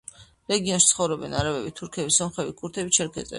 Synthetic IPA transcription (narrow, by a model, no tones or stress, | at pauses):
ɾɛɡiɔnsʃt̪sʰχɔvɾɔbɛnaɾavɛbit̪ʰuɾkʰɛbisɔmχɛbikʰʼuɾt̪ʰɛbit͡ʃʰɛɾkʰɛ̰t̪sʼɛ̰